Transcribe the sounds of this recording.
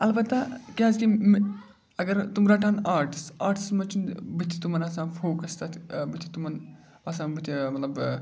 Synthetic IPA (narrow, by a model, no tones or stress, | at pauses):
ɐlbɐt̪ːakʲeɐzkim | ɐɡɐɾt̪umɾaːʈʰaːnaːɾʈi̥saːɾʈʰi̥smɐt͡ʃinbɨt̪ʰːi̥t̪umɐnasãːnfʰoːkɐst̪ɐt̪ʰbɨt̪ʰːi̥t̪umɐn | ɐsãːnbɨt̪ʰimɐt̪lɐb